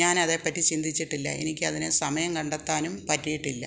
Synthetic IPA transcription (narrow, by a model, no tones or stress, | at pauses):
aːnɐðe̞ːpːɐtːit͡ɕind̪ʱit͡ɕːiʈːilːɐ̰e̞̰nikʲːɨɐðinɨsɐmɐjɐmkɐɳɖɐt̪ːaːnumpɐtːijiʈːilːɐ